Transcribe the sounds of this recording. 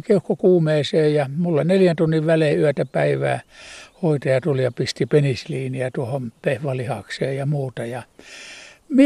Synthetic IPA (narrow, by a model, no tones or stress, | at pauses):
kiuhkːokuːmeːseːjɑmulːɑneljænt̪unːiʋʋæleyæt̪æpæiʋæ̰ːhoit̪ɑjɑt̪ulijɑpist̪ipenisliːniæt̪uohompehʋɑlihɑ̰kseːjɑmuːt̪ɑjɑ | mi